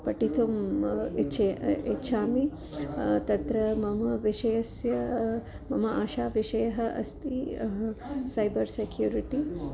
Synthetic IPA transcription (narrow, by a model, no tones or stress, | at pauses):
pɐʈit̪ʰumit͡ʃɐitːʃʰaːmi | t̪ɐt̪ɾɐmɐmɐʋiʃɐjɐsjɐ | mɐmɐʔaːʃaːʋiʃɐjɐɦɐʔɐ̰st̪i | sɐjbɐɾsekʰjuːɾiʈi